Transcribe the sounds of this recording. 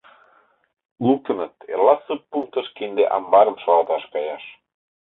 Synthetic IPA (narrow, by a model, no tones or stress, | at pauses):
luk̚t̪ə̆nət̪ḛlɑsəpːuŋk̚t̪ə̆ʃkend̪eʔɑ̰mbɑɾə̆mʃɑlɑt̪ɑʃkɑjɑʃ